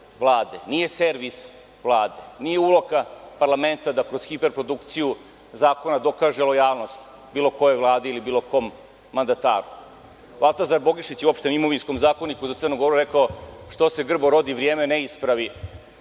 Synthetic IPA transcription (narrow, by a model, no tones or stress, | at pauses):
ʋlˠaːd̪e̞nije̞seɾʋis | ʋlˠaːd̪e̞nijeulˠo̞kapaɾlˠament̪ad̪akɾo̞zxipeɾpɾo̞d̪ukt̪siju | zaːko̞nad̪o̞kaːʒelo̞jaːlˠno̞st̪ | bilˠo̞ko̞jevlˠaːd̪eilibiːlˠo̞ko̞ːmː | and̪at̪aːɾu | alˠt̪azaɾbo̞ɡiʂit͡ɕjeuopʃt̪enimo̞ʋinsko̞mzaːko̞nikuzat̪sərnuɡo̞ɾuɾekaoʂt̪ose̞ɡr̩boɾo̞d̪iʋɾjeːmeneispɾaʋi